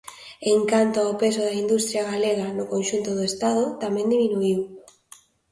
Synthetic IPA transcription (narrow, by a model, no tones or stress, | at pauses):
eŋkant̪ʊaopesʊðaind̪ust̪ɾjaɣaleɣanʊkonʃunt̪ʊðʊest̪aðʊt̪amɛ̃nd̪iminuiw